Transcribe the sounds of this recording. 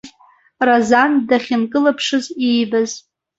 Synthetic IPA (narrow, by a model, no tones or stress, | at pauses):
razandaχʲɪnkʼɨlapʰʂɨzijbaz